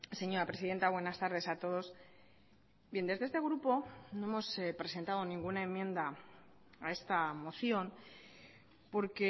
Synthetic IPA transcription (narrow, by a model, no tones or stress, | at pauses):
se̞ɲo̞ɾapɾesiðe̞nt̪aβwe̞nast̪aɾð̞e̞sat̪o̞ð̞o̞s | bje̞nd̪eðeest̪e̞ɣ̞ɾupo̞no̞e̞mo̞spɾe̞se̞nt̪að̞o̞nĩŋɡunaẽ̞mːjẽ̞nd̪a | ae̞st̪amo̞θjo̞n | po̞ɾke̞